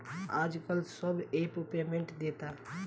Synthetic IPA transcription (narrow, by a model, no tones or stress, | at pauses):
aːd͡ʒkəlsəbeːpɾupijamẽɳʈd̪eːt̪aː